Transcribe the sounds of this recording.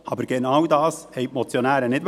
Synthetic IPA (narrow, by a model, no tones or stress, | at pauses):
ɑbəɾɡ̥ɛnɑwdɑːshɛɪpmɔt͡sjonæːɾənɪd